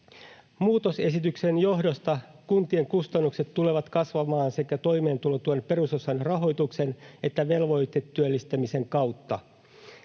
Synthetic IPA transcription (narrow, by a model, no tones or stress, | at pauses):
muːt̪o̞se̞sit̪ykse̞njo̞ɦdost̪ɑkunt̪ie̞ŋkust̪ɑnːukse̞t̪ːule̞ʋɑt̪kɑsʋɑmɑːnsekæt̪o̞jme̞ːnt̪ulot̪uonpe̞ɾuso̞sɑnrɑɦo̞jt̪uksene̞t̪ːæʋe̞lʋo̞jt̪et̪ːyølːist̪æmise̞ŋkɑwt̪ːɑ